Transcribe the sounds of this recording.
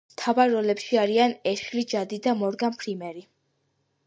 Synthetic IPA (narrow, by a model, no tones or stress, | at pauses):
mt̪ʰavaɾːɔlɛpʃiaɾianɛɾʃlid͡ʒad̪id̪amɔɾɡampʰɾimɛɾi